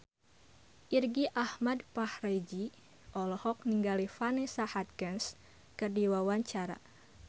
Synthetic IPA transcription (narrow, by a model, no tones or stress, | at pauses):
ʔirɡiʔahmadpahred͡ʒi | ʔɔlɔhɔk̚niŋɡalifanesahat̪̚kɛns | kɨrdiwawaɲt͡ʃaɾa̰